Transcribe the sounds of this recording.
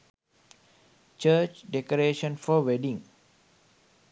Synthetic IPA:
t͡ʃəːt͡ʃɖekoɾeːʃə̃nfɔʋeɖĩŋ

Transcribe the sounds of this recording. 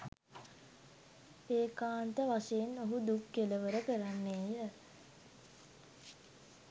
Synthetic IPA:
peːkaːnt̪əʋaseːnoɦud̪ukjeləʋəɾəkəɾanːeːjə

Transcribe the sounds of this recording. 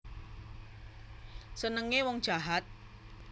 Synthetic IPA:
sənəŋewɔŋd̥ʒ̥a̤ɦat̪̚

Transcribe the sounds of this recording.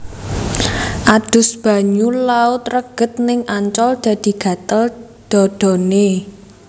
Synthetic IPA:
ʔad̪̥ʊ̤sb̥ä̤ɲulaut̪ɾəɡ̥ə̤t̪̚nɪŋaɲt͡ʃɔld̪̥ä̤d̪̥i̤ɡ̥ä̤t̪əl | d̪̥ɔ̤d̪̥ɔ̤ne

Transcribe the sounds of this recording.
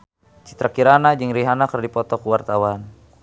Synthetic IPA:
t͡ʃi̥t̪ɾakiɾanad͡ʒɨŋɾiɦanakərdipɔt̪ɔkuwart̪awan

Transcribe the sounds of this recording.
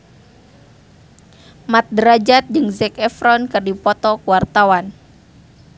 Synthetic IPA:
mat̪̚dɾad͡ʒat̪̚d͡ʒɨŋzɛkɛfɾɔnkɨrdipɔt̪ɔkuwart̪awan

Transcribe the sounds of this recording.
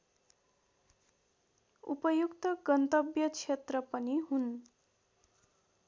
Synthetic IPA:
upʌjukt̪ʌɡʌnt̪ʌbjʌt͡sʰet̪rʌpʌniɦun

